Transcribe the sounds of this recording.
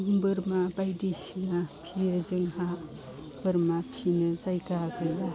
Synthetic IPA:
ŋbɯɾmabajdisinapʰijezɯŋha | b̥ɯɾmapʰinɯzajkakɯjla

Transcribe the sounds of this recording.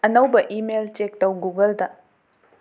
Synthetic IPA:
ɐnɐwbɐʔimelt͡ʃek̚tɐwɡuɡɐldɐ

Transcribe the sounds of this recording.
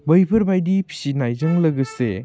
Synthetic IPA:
bɐjpʰɯɾbajdipʰi̥sinajzɐŋlɐɡɯsḛ

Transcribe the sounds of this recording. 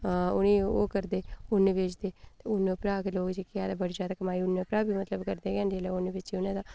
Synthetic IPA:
ʊniːo̰ːkəɾd̪eːʊnːeʋeːt͡ʃd̪eːt̪eːʊnːepɾaːkeloːkd͡ʒiːkɪaːlabəɽizjaːd̪aːkəmaːiʊnːepɾaːbimət̪ləbkəɾd̪eːkɛːnd̪eleʊneʋet͡ʃiʊnẽːd̪aː

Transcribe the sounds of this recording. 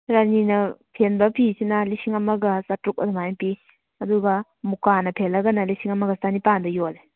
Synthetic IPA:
ɾaninɐpʰenbɐpʰisinɐlisiŋɐmɐɡɐsatɾuk̚ɐdɐmajŋpi | ɐduɡɐ | mukanɐpʰelɐɡɐnɐlisiŋɐmɐɡɐstanipandɐjole

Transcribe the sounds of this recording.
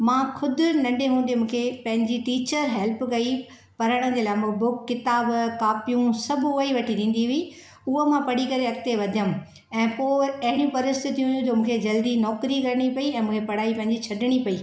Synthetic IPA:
mãːxʰʊd̪ʱʊ̆nɐɳɖeɦũːn̆d̪emũːkʰepɐ̃ɦɪ̃ɲd͡ʑiʈiːt͡ɕəɾɦɛːlpkɐi | pɐɾəɽ̃ə̃̆d͡ʑelaːmbʊkːɪt̪aːbkaːpijũsɐbʱʊʊəiʋɐʈʰid̪ĩːn̆d̪iɦʊi | ʊɦomãpɐɽikɐɾeɐkt̪eʋɐd̪ʱjəm | ɛ̃ːpoːɐɦɪɽ̃jũpɐɾɪst̪ɪt̪ʰijũɦjũd͡ʑoːmũːkʰed͡ʑɐld̪inɔːkɾikɐɾɪɽ̃ipɐiɛ̃ːmũːkʰepɐɽ̤aːipɐ̃ɦɪ̃ɲd͡ʑit͡ɕʰɐɖɪɽ̃ipɐiː

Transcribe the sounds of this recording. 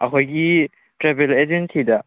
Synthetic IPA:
ɐkʰojɡi | tɾebeled͡ʒensidɐ

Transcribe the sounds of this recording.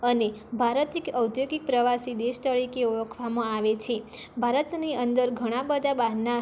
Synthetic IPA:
ənebʱaɾət̪ikəwt̪joɡik̚pɾəʋasid̪eʃt̪əɾikeuʋəkʰʋamãaʋet͡ʃʰe | bʱaɾət̪niənd̪əɾɡʱəɽ̃abəd̪ʱabana

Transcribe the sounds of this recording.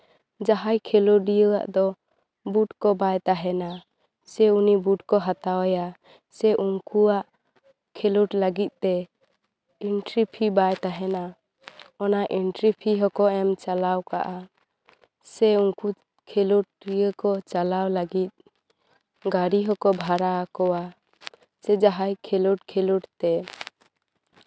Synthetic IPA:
d͡ʒaɦajkʰɛlɔɖijəa̰ʔd̪ɔ | buʈkɔbajt̪aɦɛna | sɛunibuʈkɔɦat̪awaja | sɛʔuŋkuaʔ | kʰeluʈlaɡit̪̚ˀt̪ɛ | inʈɾipʰibajt̪aɦɛna | ɔnaʔiɳʈɾipʰiɦɔkɔɛmt͡ʃalawka̰ʔa | sɛuŋku | kʰeluʈ̚ɾijəkɔt͡ʃalawlaɡit̪̚ | ɡaɾiɦɔkɔbʱaɾakɔwa | sɛd͡ʒaɦajkʰeluʈkʰeluʈt̪ɛ

